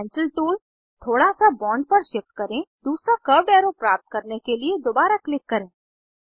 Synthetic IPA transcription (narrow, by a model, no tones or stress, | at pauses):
ɛ̃ːnsəlʈuːl | t̪ʰoːɽasabɔ̃ːɳɖ̚pɐɾʃɪpʈ̪̚kɐɾẽːd̪uːsɾakɐɾɖɛːɾopɾaːp̚t̪̚kɐɾnekelied̪oːbaːɾaklɪkːɐɾẽː